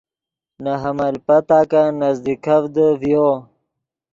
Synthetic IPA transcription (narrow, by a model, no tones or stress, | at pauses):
naɦɐmalpɐt̪aːkanazd̪ikavd̪əvjo